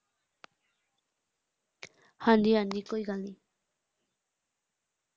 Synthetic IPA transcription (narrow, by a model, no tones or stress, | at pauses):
hand̪iand̪ikojɣali